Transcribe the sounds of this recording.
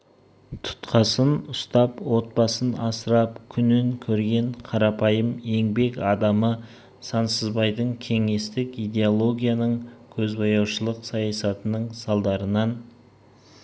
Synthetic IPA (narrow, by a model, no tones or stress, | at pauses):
t̪ʰʊ̥t̪qʰɑsənʊst̪ɑpwo̞t̪̚bɑsənɑsəɾɑp̚kʲʰʏnɪŋkʲʰɵɾɡʲe̞ɴqʰɑɾɑpɑjəme̞ŋbe̞kɑd̪ɑmə | sɑnsəzbɑjd̪əɴkʲʰe̞ŋe̞st̪ɪkijd̪e̞olˠo̞ɡʲijanəɴkʲʰɵzbɑjɑwʃəlˠəqsɑjɑsɑt̪ənəɴsɑlˠd̪ɑɾənɑn